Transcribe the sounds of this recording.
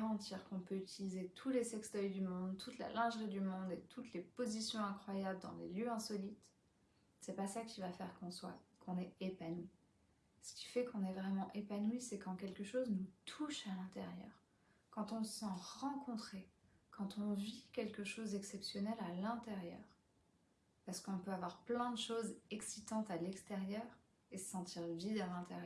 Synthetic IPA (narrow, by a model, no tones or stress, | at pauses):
aʁɑ̃t̪ʰiʁkɔ̃pøyt̪ʰilizet̪ʰulesɛkst̪œjd̪ymɔ̃d̪t̪ʰut̪la̰lɛ̃ʒʁid̪ymɔ̃d̪et̪ʰut̪lepozisjɔ̃ɛ̃kχwajabləd̪ɑ̰̃lḛljøɛ̃sɔlit̪ | sɛpasakʲivafɛʁkɔ̃swa̰kʰɔ̃nɛepanwi | sə̥kʲi̥fɛkɔ̃nɛvʁɛmɑ̃ʔepanwisɛkɑ̃kʲɛlkəʃoznut̪ʰuʃalɛ̃t̪eʁjœ̰ːʁ | kɑ̃t̪ɔ̃əsɑ̃ʁɑ̃kɔ̃t̪χe | kɑ̃t̪ɔ̃vikʲɛlkəʃozɛksɛpsjɔnɛlalɛ̃t̪eʁjœ̰ːʁ | paʁsə̥kɔ̃pøavwaʁplɛ̃d̪əʃozɛksit̪ɑ̃t̪alɛkst̪eʁjœːʁ | esəsɑ̃t̪ʰiʁvid̪alɛ̃t̪eʁj